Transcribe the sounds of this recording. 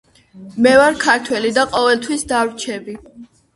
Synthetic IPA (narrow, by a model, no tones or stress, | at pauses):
mɛvaɾkʰaɾt̪ʰwɛlid̪aqʼɔvɛlˠt̪ʰwisd̪avɾt͡ʃʰɛbi